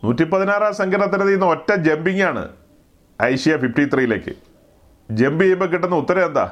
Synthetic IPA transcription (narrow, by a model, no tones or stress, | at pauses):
nuːtːipːɐðinaːraːsɐŋɡɐɾɐt̪ːinɐðijunːɐo̞tːɐmd͡ʑe̞mbiŋːaːɳɨ̰ | ɐjɕijɐfifʈit̪rijile̞ːkːɨ̰ | d͡ʑe̞mbɨjejumbɐkːiʈːunːɐut̪ːɐɾɐend̪a̰ː